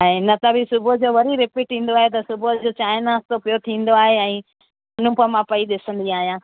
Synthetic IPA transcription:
aɦenɐt̪ɐbʱisʊbod͡ʑoːʋɐɾiɾɪpiːʈĩːn̆d̪oaːɦet̪̬ɐsʊbʱod͡ʑoːt͡ɕaːɪnaːst̪opijot̪ʰĩːn̆d̪oaːɦeɛ̃ː | ʊn̤ũpəmãpɐiɗɪsə̃nd̪iaːɦijãː

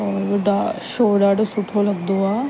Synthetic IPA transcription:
ɔeɖaʃoːɖaːɖosʊʈʰolɐɡ̚d̪oaː

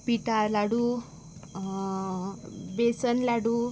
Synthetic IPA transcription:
piʈalaɽu | besənlaɽu

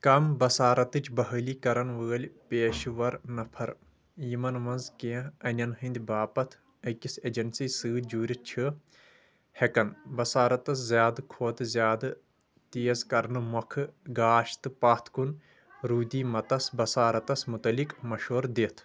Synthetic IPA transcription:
kɐmbɐsaːɾɐt̪ɨt͡ʃʰbɐɦəliːkɐɾɐnʋəːɐlʲpeːʃʋɐɾnɐpʰɐɾ | jimɐnʋɐnzkẽːɐnʲɐnɦɨnd̪ʲbaːpɐt̪ʰ | ɐkised͡ʒɐnsiːsɨːd͡ʒuːɾʲit̪̚t͡ʃʰɨ | hekɐnbɐsaːɾɐt̪ɐszjaːd̪kʰoːt̪ɨzʲjaːd̪ | t̪iːɐzkɐɾnɨmɔkʰɨɡaːʃt̪ɨpaːt̪ʰkun | ɾuːd̪ʲiːmɐt̪ɐsbɐsaːɾɐt̪ɐsmut̪ɐlikmɐʃoːɾd̪et̪ʰ

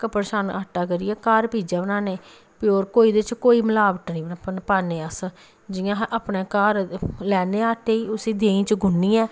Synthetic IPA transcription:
kəpəɾʃaːnaːʈːaːkəɾiːɛːkaːɾpiːd͡ʒɛːbənaːneː | pɪoːɾkoːiːd̪eɪt͡ʃkoːiːməlaːʋəʈnĩːbnpnpaːneːəs | d͡ʒɪjãːʔaːpneːkaːɾlɛːneːaːʈʰeːiːʊsĩːd̪eːĩːt͡ʃəɡʱʊnːĩːɛː

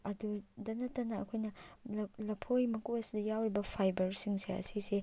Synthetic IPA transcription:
ɐdudɐnɐtːɐnɐɐ̰kʰojnɐ | lɐpʰojmɐkuɐsidɐjawɾibɐpʰajbɐɾsiŋseɐ̰sise

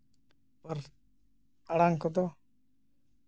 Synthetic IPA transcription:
paɾ | aɽaŋkɔd̪ɔ

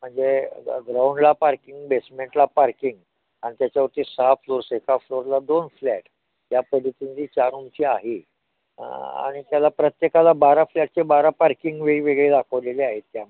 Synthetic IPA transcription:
m̤əɳd͡zḛɡɾawɳɖlapaɾkiŋɡbesmeɳʈlapaɾkiŋɡ | aɽ̃it̪jat͡ɕjaʋəɾt̪iːsafloɾsekafloɾlad̪onflɛʈ | japəd̪ʱit̪ind͡ziːt͡ɕaɾumt͡ɕʰiaɦi | a̰ɽ̃it̪jalapɾət̪jekalabaɾaflɛʈ̚t͡sebaɾapaɾkiŋɡʋeɭiʋeɡɭed̪akʰəʋleleaɦet̪ːja

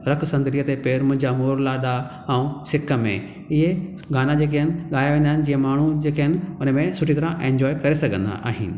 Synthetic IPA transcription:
ɾɐkʰsɐ̃nd̪lijət̪epeːɾmʊ̃ɦɪ̃ɲd͡ʑamoːɾlaɗa | ɛũsɪkʰəmḛ̃ | ɪɦe | ɡʱaːnad͡ʑeːk̬aɦɪnɪ̆ɠaːjaʋẽːnd̪aɦɪ̃nɪ̆d͡ʑiːə̃maːɳ̤ud͡ʑeːkaɦɪnɪ̆ʊnəmẽsʊʈʰit̪ɐɾãʔẽːɲd͡ʑɔːekɐɾesɐɡʱə̃nd̪a̰ʔa̰ːɦɪnɪ̆

